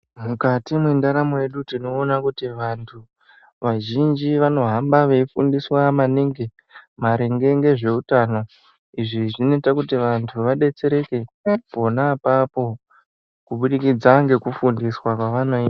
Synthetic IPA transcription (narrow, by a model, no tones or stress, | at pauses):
mukatimwendaɾamoje̞ɗutino̞ːnakutiʋantʰu | ʋaʒind͡ʒiʋano̞ɦambaʋeifundiswamaniŋɡe | maɾeŋɡe̞ŋɡe̞ʐe̞utaːno̞ | iʐiʐinetakutiʋantʰuʋaɗe̞t͡se̞ɾe̞ke̞po̞naːpapo̞ | kuɓuɗikid͡zaŋɡe̞kufundiswakwaʋano̞ia